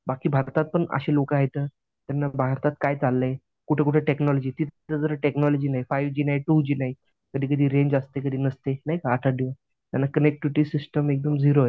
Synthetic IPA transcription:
bakiːbʱaɾt̪at̪̚pəɳə̰ɕelokəɦajt̪əː | t̪janːabʱaɾt̪at̪̚kajt͡salːəje | kuʈʰekuʈʰeʈeknɔlɔd͡ʑiːt̪it̪ʰt̪əd͡zəɾəʈeknɔlɔd͡ʑiːnaɦifajʋd͡ʑiːnaɦiʈud͡ʑiːnaɦi | kəd̪ʱiːkəd̪ʱiːɾeɲd͡ʑast̪ekəd̪ʱiːnəst̪enaɦjkaːʈʰaɖiʋə | t̪janːakənek̚ʈiʋʈiːsisʈəmek̚d̪əmd͡ziɾoe

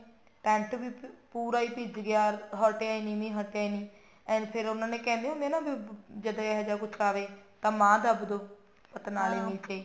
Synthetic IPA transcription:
ʈɛ̃ːɳʈʋiːpuːɾaːiːpɪd͡ʒɡɪjaːɾɦɔːʈeaːiːnĩːmĩːɦɔːʈːaːiːnĩː | ɛ̃ːpʰɪɾʊnãːnẽːkɛ̃ːnd̪eːɦʊ̃nd̪eːnaːbid͡ʒəd̪aːɦɛd͡ʒaːkʊt͡ʃʰaːʋeːt̪ãːmãːd̪əbd̪oː | pət̪naːleːmiːt͡ʃaiː

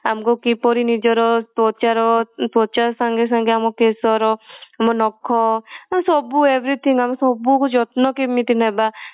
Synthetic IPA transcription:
amkokipɔɾinid͡ʒɔɾɔt̪ɔt͡ʃaɾɔt̪ɔt͡ʃasãŋɡes̬ãŋɡeamkokesɔɾɔamonɔkʰːɔamsɔbueʋɾit̪ʰĩŋɡamsɔbukut͡ʃɔt̪nɔkimit̪inaba

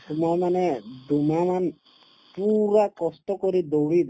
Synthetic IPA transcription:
tumajmanɛd̪umaman | puɾakɔst̪ɔkoɾid̪oɽid̪

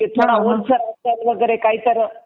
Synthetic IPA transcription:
et̪ʰoɽ̃aoɾsəɾat̪alʋəɡəɾekaɦit̪əɾ

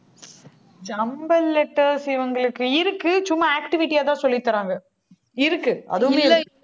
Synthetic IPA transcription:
d͡ʒɐmbɐlːɛʈːɐɾsɪʋɐŋɡɐɭɯkːɯɪɾɯkːɯt͡ʃʊmːɐaːkʈɪʋɪʈːijaːt̪ãːsɔlːɪt̪ːɐɾaːŋɡɐ | ɪɾɯkːɯɐ̰ðɯmeː

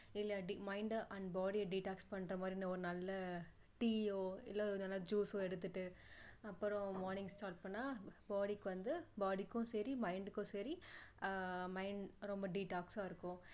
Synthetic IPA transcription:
ɪlːɐɖimɐɪɳɖʔɐɳɖbaːɖiɐɖiːʈaːkspɐɳːɾɐmaːd̪ɾiɪnɐɔɾɯnɐlːɐ | ʈiːoːɪlːaːnɐlːɐd͡ʒuːsoːɛɽɯt̪ːɯʈːɯɐpːɯɾʊ̃maːɾnɪ̃ŋɡsʈaːɾʈ̚pɐɳːaːbaːɽikːɯʋɐnd̪ɯbaːɽikːʊ̃sɛɾimɐɪɳɖɯkːʊ̃sɛɾi | mɐɪɳɖɾɔmbɐɖiʈaːksaːɪɾɯkːʊ̃

